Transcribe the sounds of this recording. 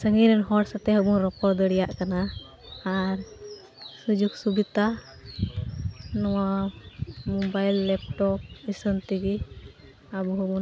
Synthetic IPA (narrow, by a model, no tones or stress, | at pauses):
səŋiɾɛnɦɔɽsat̪ɛɦɔbunɾɔpɔɾd̪əɽɛjaʔkanaː | ɾ | sud͡ʒuksubit̪a | nɔwa | mɔbajlːɛp̚ʈɔp̚isənt̪iɡi | abuɦɔbu